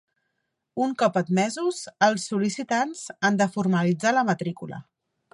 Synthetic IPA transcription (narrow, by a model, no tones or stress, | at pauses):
uŋkɔpət̪mɛzuzəlˠsːulisit̪anz̥and̪əfuɾməlid͡zaləmət̪ɾikulə̰